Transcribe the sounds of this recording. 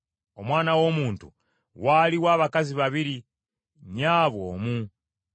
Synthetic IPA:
o̞mwaːnawo̞muːntṵ | waːliwaːβakaziβaβiɾi | ɲaːβwo̰ːmu

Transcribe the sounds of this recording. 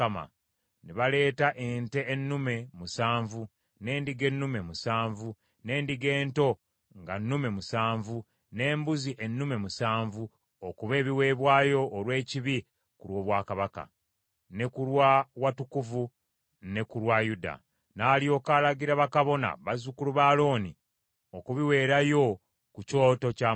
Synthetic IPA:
ama̰ | niβale̞ːtaʔe̞nte̞ːnːume̞musaːɱvu | ne̞ːndiɡe̞nːume̞musaːɱvu | ne̞ːndiɡe̞ːnto̞ | ŋɡanːume̞musaːɱvu | ne̞ːmbuziʔenːume̞musaːɱvu | okuβe̞ːβiwe̞ːβwaːjo̞ːlwe̞ːciβi | kuɾwo̞ːβwaːkaβaka̰ | ne̞kulwawatukuvu | ne̞kulwajuda̰ | naːlijo̞ːkaːlaɡiɾaβakaβo̞na̰βazukuluβaːlo̞ːni | okuβiwe̞ːɾajo̞ | kuco̞ːto̞ca

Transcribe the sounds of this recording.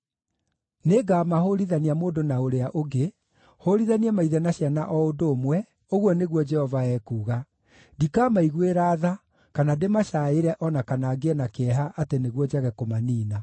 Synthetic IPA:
neɡamahoɾiðaniamoːndonaoɾeaʔoɡe | hoɾiðaniɛmaiðɛnaɕjanaʔɔodoːmwɛ | oɣwɔneɣwɔd͡ʒɛhɔvaɛːkuːɣa | dikaːmaiɣweɾaːða | kanademaɕaeɾɛʔɔnakanaːɡeɛnakeɛɦaʔateneɣwɔd͡ʒaɣɛkomaniːna

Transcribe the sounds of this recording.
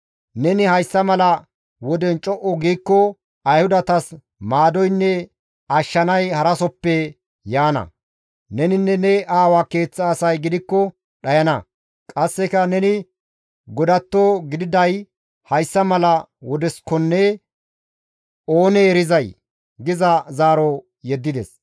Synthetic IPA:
nɛnɪhɐjsːɐmɐlɐ | wɔd̪ɛnt͡ʃʼɔʔɔɡiːkːɔ | ɐjhʊd̪ɐt̪ɐs | maːd̪ɔjnːɛ | ɐʃːɐnɐjhɐɾɐsɔpːɛ | jaːnɐ̰ | nɛnɪnːɛnɛʔaːwake̞ːt͡sːaːsɐjɡɪd̪ɪkːɔ | ɗɐjɐnɐ | kʼɐsːɛkɐnɛnɪ | ɡɔd̪ɐt̪ːoɡɪd̪ɪd̪ɐj | hɐjsːɐmɐlɐ | wɔd̪ɛskɔnːɛ | o̞ːnɛːɾɪzɐj | ɡɪzɐzaːɾɔ | jɛd̪ːɪd̪ɛ̰s

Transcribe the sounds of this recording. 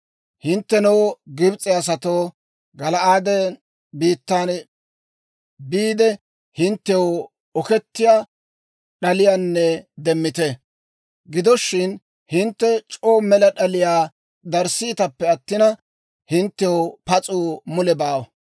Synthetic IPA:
hɪnt̪ːɛnɔwɡɪbt͡sʼɪas̬ɐt̪oː | ɡɐlɐʔaːd̪ɛ | biːt̪ːan | biːd̪ɛ | hɪnt̪ːɛw | ɔkɛt̪ːɪja | ɗɐlɪjanːɛd̪ɛmːɪt̪ɛ | ɡɪd̪ɔʃːɪn | hɪnt̪ːɛt͡ʃʼoːmɛlɐɗɐlɪjaː | d̪ɐɾsɪːt̪ɐpːɛɐt̪ːɪnɐ | hɪnt̪ːɛʊpɐt͡sʼuːmʊlɛbaːwɐ

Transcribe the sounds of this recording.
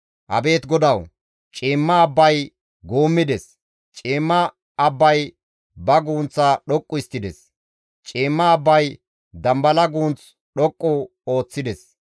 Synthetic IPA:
ʔɐ̰be̞ːt̪ɡɔd̪ɐw | t͡ʃʼeːmːɐːbːɐj | ɡoːmːɪd̪ɛs | t͡ʃʼeːmːɐː | bːɐj | bɐɡuːnt͡sːɐɗɔkʼːʊɪst̪ːɪd̪ɛs | t͡ʃʼeːmːɐːbːɐj | d̪ɐmbɐlɐɡuːnt͡s | ɗɔkʼːɔ | o̞ːt͡sːɪd̪ɛs

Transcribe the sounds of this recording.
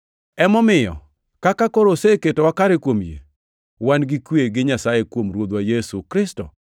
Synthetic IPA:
ɛmɔmɪjɔ̰ | kakakoɾoseketowakaɾekwomjḛ | wanɡɪkweɡɪɲasajekwomɾwod̪wajesukɾɪstɔ̰

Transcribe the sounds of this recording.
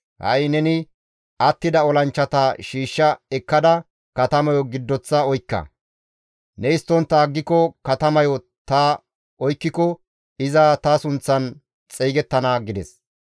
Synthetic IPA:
hɐ̰jnɛnɪ | ʔɐt̪ːɪd̪ɐɔlɐnt͡ʃːɐt̪ɐʃiːʃːɐɛkːɐd̪ɐ | kɐt̪ɐmɐjɔɡɪd̪ːɔt͡sːɐɔjkːɐ̰ | nɛɪst̪ːɔnt̪ːaːɡːɪkɔkɐt̪ɐmɐjɔ | t̪ɐ | ɔjkːɪkɔ | ɪzɐt̪ɐsʊnt͡sːɐn | t͡sʼeːɡɛt̪ːɐnaɡɪd̪ɛs

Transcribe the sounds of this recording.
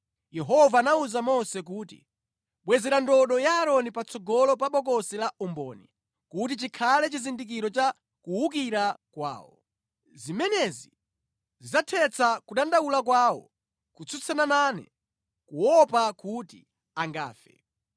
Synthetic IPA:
jɛɦɔvaːnauzamɔsɛk̬uːtḭ | ɓwɛzɛɾandɔɗɔjaːɾɔnipat͡sʰɔɡɔlɔpaɓɔk̬ɔsɛlaʔumbɔ̰ːni | kut̬it͡ʃikʰalɛt͡ʃizindik̬iɾɔt͡ʃa | kuwuk̬iɾakwa̰ːwɔ̰ | zimɛnɛzi | zizatʰɛt͡sʰakuɗandaulakwaːwɔ̰ | kut͡sʰut͡sʰanananɛ̰ | kuwɔpakuti | aŋɡa̰ːfɛ̰

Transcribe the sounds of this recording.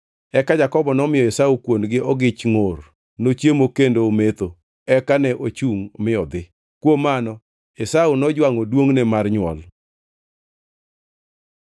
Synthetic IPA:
ɛkad͡ʒakɔbɔnɔmɪjɔesaukwonɡɪʔɔɡɪt͡ʃŋor | not͡ʃjemokendoomet̪o | ɛkanɛʔot͡ʃuŋmɪɔd̪ɪ | kwomanɔ | esaunɔd͡ʒwaŋɔdwoŋnɛmarɲwɔl

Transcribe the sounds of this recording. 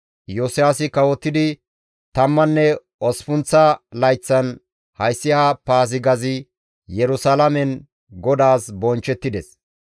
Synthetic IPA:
josɪjaːsɪkɐwɔt̪ːɪd̪ɪ | t̪ɐmːɐnːɛ | ɔspʊnt͡sːɐlɐjt͡sːɐn | hɐjsːɪhapaːzɪɡɐzɪ | jɛɾʊsalɐmɛn | ɡɔd̪aːsbɔnt͡ʃːɛt̪ːɪd̪ɛs

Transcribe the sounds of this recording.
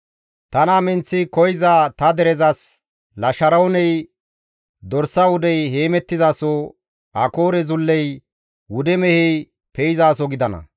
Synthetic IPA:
t̪ɐnamɛnt͡sːɪkɔjɪzaːt̪ɐd̪ɛɾɛzɐs | lɐʃɐɾɐwnɛj | d̪ɔɾsɐwʊd̪ɛjheːmɛt̪ːɪzaːso | ɐko̞ːɾɛzʊlːɛj | wʊd̪ɛmɛhɛj | pɛjɪzaːsɔɡɪd̪ɐnɐ̰

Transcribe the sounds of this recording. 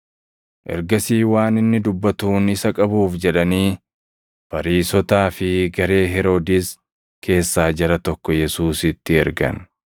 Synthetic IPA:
ʔɛ̰ɾɡɐsiːwaːnɪnːɪd̪ʊbːɐt̪uːnɪsɐkʼɐbuːfd͡ʒɛᶑɐniː | fɐɾiːsɔt̪aːfɪɡɐɾe̞ːɦɛɾo̞ːd̪ɪs | kʰe̞ːsːaːd͡ʒɐɾɐt̪ɔkːɔjɛsuːsɪt̪ːɪɛɾɡɐ̰n

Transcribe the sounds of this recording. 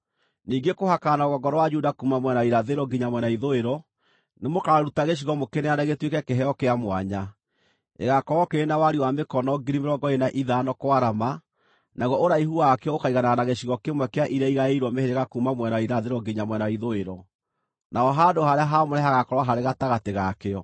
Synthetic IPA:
niːɡekohakanaoɣɔɡɔɾɔwad͡ʒudakuːmamwɛnaiɾaðeɾɔɡiɲamwɛnaiðoeɾɔ | nemokaɾutaɣeɕ̬iɣɔmokeneanaɣetwekɛkeɦɛɔkeamwa̰ɲa | ḛɣakɔɣɔkeɾenawaɾiwamekɔnɔɡiɾimeɾɔɡɔenaʔiðanɔkwaɾama | naɣɔoɾaiɦuakeɔokaiɣanaanaɣeɕiɣɔkemwɛkeaʔiɾɛiɣaeiɾwɔmeheɾeɣakumamwɛnaiɾaðeɾɔɡiɲamwɛnaiðoeɾɔ | naɔɦadohaɾeaɦamoɾɛɦaɣakɔɾwaɦaɾeɣataɣateɣakeɔ

